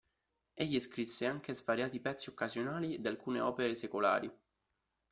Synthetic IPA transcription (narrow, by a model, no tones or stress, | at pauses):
eʎːiskɾisːeaŋk̟ezvaɾjaːt̪ipɛt̪sːiokːazjonaːlid̪ialkuːnḛɔːpeɾesekola̰ːɾḭ